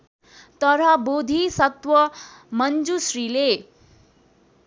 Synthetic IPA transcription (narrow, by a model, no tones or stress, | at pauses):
t̪ʌɾʌbod̪ʱisʌt̪wʌ | mʌnd͡zusrile